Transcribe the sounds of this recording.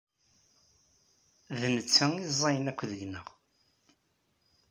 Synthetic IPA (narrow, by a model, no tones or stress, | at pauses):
ðnət͡sːəizˤːɑjənækʷːðəʝnəʁ